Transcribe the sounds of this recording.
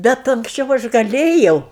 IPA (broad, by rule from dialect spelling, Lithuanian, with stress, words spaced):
ˈbʲɛt ɐŋksʲˈt͡ʃʲɛʊ ˈɐʃ ɡɐˈlʲeːjɛʊ